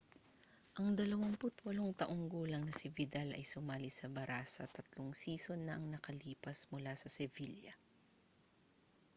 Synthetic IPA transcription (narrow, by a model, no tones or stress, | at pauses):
ʔɐŋd̪ɐlɐwɐŋpʊt̪wɐloŋt̪ɐʔoŋɡuːlɐŋnɐsɪvɪd̪alɐ̰jsʊmaːlɪsɐbɐɾaːsɐt̪ɐt̪loŋsiːso̞nːɐʔɐŋnɐkɐliːpɐsmʊlasɐsɛviljɐ̰